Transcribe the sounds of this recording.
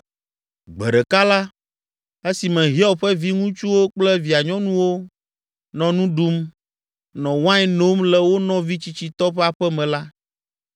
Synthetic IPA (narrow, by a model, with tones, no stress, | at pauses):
ɡ͡bɛ˨ɖɛ˨ka˦la˦ | e˦si˨mɛ̃˨ɦi˦ɔ˦ɸɛ˦vi˦ŋũ˦t͡ʃu˦wo˦k͡plɛ˦vi˨a˨ɲɔ̃˦nũ˦wo˦ | nɔ̃˨nũ˦ɖu˦m | nɔ̃˨wã˦jno˦mlɛ˨wo˦nɔ̃˦vi˦t͡ɕi˦t͡ɕi˨t̪ɔ˦ɸɛ˦a˨ɸɛ˦mɛ̃˨la˦